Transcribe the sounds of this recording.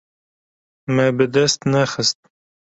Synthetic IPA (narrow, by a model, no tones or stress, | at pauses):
mɛbɨd̪ɛst̪nɛxɨst̪̚